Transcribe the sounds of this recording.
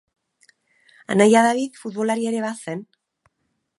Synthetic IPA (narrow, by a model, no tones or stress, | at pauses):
a̰najaðaβiðfut̪̚βo̞laɾie̞ɾe̞βase̞n